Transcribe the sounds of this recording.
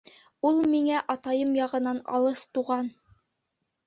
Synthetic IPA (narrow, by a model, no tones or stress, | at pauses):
ulˠmiŋæʔɑt̪ɑjɤmjɑʁɤ̆nɑnɑ̰lˠɤst̪uʁɑn